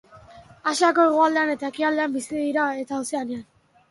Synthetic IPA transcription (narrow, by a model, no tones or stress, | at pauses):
asako̞e̞ɣ̞oald̪e̞ane̞t̪ae̞kiald̪e̞ambisiðiɾae̞t̪aːwseanean